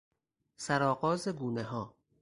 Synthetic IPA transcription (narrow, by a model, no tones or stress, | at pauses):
sæɾɒːɣɒːzeɡuːneɦɒː